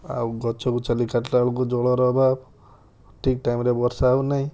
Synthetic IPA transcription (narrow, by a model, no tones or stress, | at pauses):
a̰wɡɔt͡ʃʰɔkut͡ʃalikaʈlaɭɔk̬ud͡ʒɔɭɔɾɔɦba | ʈʰik̚ʈajmɾebɔɾsaːunaɦĩ